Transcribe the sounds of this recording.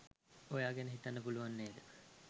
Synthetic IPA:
ojaːɡɛnəɦit̪anːəpuluʋanːeːd̪ə

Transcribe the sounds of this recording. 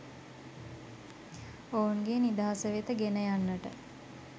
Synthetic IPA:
ounɡenid̪aɦasəʋet̪əɡenəjanːəʈə

